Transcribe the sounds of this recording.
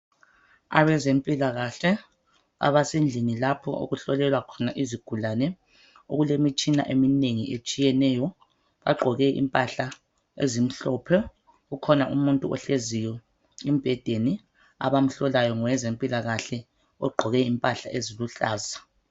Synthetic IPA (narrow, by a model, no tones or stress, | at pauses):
a̰βɛzempʼilaɣaɬɛ | a̰βasend͡ɮʱinilapʰɔ̰ʔo̰ɣuɬɔlɛlwakʰɔnaʔiziɡ̥ʱulanɛ | oɣulemit͡ʃʼina̰ʔemineŋiʔet͡ʃʼijɛnɛːjɔ | βa̰ɡ͡ǃʱɔɣɛʔḭmpʼaɬa | ḛzim̩ɬɔpʰɛ | ɣukʰɔnaʔumuntʼuɔɬezijɔ | im̩b̥ʱɛd̥ʱeni | a̰βam̩ɬɔlajɔŋɔwɛzempʼilaɣaɬɛ | ɔɡ͡ǃʱɔɣɛimpʼaɬa̰ʔeziluɬaːza